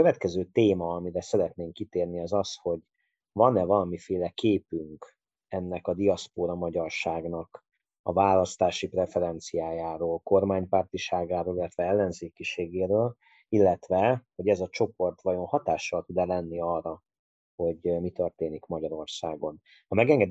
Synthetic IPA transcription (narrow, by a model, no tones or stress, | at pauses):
køvɛt̪kɛzøːt̪eːmɒɒmiɾɛsɛɾɛt̪neːŋkːit̪eːrniɒzɒsho̞ɟ | vɒnɛvɒlɒmifeːlɛkeːpyŋk | ɛnːɛkɒd̪iɒspoːɾɒmɒɟɒrʃaːɡnɒk | ɒ̰vaːlɒst̪aːʃiprɛfɛɾɛnt̪sijaːjaːɾoːlko̞rmaːɲpaːrt̪iʃaːɡaːɾoːlilːɛt̪vɛɛlːɛnzeːkiʃeːɡeːɾøːl | ilːɛt̪ʋɛho̞ɟɛzɒt͡ʃo̞po̞rt̪ʋɒjo̞nhɒt̪aːʃːɒlt̪ud̪ɛlɛnːiɒːrɒ | ho̞ɟmit̪ø̞rt̪eːnikmɒɟɒɾo̞rsaːɡo̞n | ɒmɛɡɛŋɡɛd̪